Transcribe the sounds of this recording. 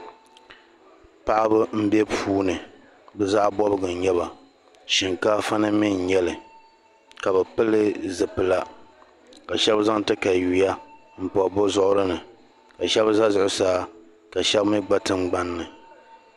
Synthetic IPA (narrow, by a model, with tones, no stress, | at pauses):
pa˦ʔa˦bɨ˦m̩˦bɛ˦pʰuː˦nɨ˨ | bɨ˦za˦ʔbɔ˦bɨ˦˨ɡɨ˨ɲɛ˦βa˨ | ʃi˨ŋka˦fa˦nɨ˦mi˦n˨ɲɛ˦lɨ˨ | ka˨bɛ˨pɨ˦lɨ˦zɨ˨pɨ˨la˨ | ka˨ʃɛ˦bza˦ŋ˨tɨ˦ka˨ju˨ja˦ | m̩˦pɔ˨bʊ˦zʊ˦ʔʊ˦ɾɨ˦nɨ˨ | ka˨ʃɛ˦bza˦zʊ˨ʔʊ˦saː˦ | ka˨ʃɛ˦bmɨ˦ɡ͡ba˦tɨ˦ŋ͡m̩˦ɡ͡ba˦nːɨ˨